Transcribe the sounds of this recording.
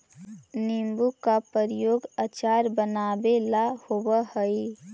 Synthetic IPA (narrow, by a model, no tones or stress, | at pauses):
nimbukːapəɾɪjoːɡat͡ʃaːɾbənaːbelahowəhəi